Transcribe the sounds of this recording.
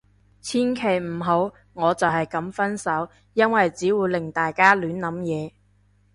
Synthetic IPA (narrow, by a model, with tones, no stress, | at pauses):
t͡sʰiː˥nkʰe˨˩jm̩˨˩ɦo˨˥w | ŋɔː˨˧t͡sɐ˨˩wɦɐ˨jkɐ˨˥mfɐ˥nsɐ˨˥w | jɐ˥nwɐ˨jt͡siː˨˥wuː˨˧jlɪ˨˩ŋt̪aː˨jkaː˥lyː˨˥nlɐ˨˥mjɛː˨˧